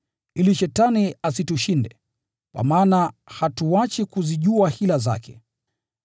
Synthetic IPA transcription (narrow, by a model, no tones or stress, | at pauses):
iliʃɛtaniasituʃindɛ̰ | kwa̰maːnahatuwat͡ʃikuziʄuahilaza̰kʰɛ̰